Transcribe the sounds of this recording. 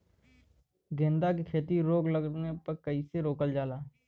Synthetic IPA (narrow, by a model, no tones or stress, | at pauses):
ɡẽːnd̪akekʰeːt̪iɾoːɡləɡnepɐɾkəiseɾoːkəld͡ʒaːlaː